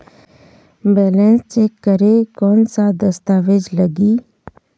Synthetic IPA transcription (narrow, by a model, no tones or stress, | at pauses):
bɛːlɛ̃nst͡ʃeːkːəɾekɔːnsad̪əst̪aːʋed͡ʒləɡiː